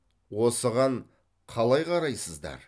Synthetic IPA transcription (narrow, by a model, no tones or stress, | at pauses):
wo̞səʁɑɴ | qʰɑlˠɑjqʰɑɾɑjsəzd̪ɑ̰ɾ